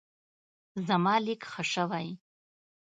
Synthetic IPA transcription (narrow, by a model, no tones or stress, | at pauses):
zamɑlikχəʂawaj